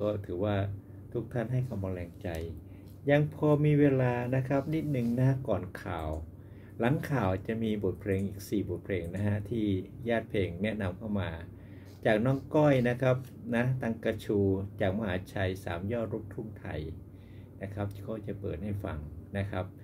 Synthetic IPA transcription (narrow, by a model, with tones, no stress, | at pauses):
kɔː˥˩t̪ʰɯː˩˦waː˥˩ | t̪ʰu˦˥k̚t̪ʰa˥˩nɦa˥˩jkʰa˧ma˧lɛː˧ŋt͡ɕa˧j | ja˧ŋpʰɔː˧miː˧weː˧laː˧na˦˥kʰa˦˥p̚ni˦˥t̪̚nɯ˨˩ŋna˦˥kɔː˨˩nkʰa̰ː˨˩w | la˩˦ŋkʰaː˨˩wt͡ɕa˨˩miː˧bo˨˩t̪̚pʰleː˧ŋʔiː˨˩k̚siː˨˩bo˨˩t̪̚pʰleː˧ŋna˦˥ka˦˥t̪ʰiː˥˩jaː˥˩t̪̚pʰleː˧ŋnɛ˦˥ʔna˧mkʰa˥˩wmaː˧ | t͡ɕaː˨˩k̚nɔː˦˥ŋkɔ˥˩jna˦˥kʰa˦˥p̚ | na˦˥t̪a˧ŋka˧t͡ɕʰuː˧t͡ɕaː˨˩k̚ma˧ɦaː˨˩˦t͡ɕʰa˧jsa̰ː˩˦mjɔː˥˩t̪̚ɾo˦˥p̚k̪ʰu˥˩ŋt̪ʰa̰˧˩j | na˦˥kʰa˦˥p̚kɔː˥˩t͡ɕa˨˩pɤ̰ː˨˩t̪̚ha˥˩jfa̰˧ŋna˦˥kʰa˦˥p̚